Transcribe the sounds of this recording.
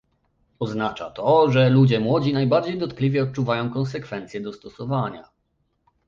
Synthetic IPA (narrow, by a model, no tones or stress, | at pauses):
ɔznat͡ʂat̪ɔʐɛlud͡ʑɛmwɔd͡ʑinajbaɾd͡ʑejd̪ɔt̪klʲivʲjɛɔt̪̚t͡ʂuvajɔ̃w̃kɔnsɛkfɛnt̪sʲjɛd̪ɔst̪ɔsɔvaɲa̰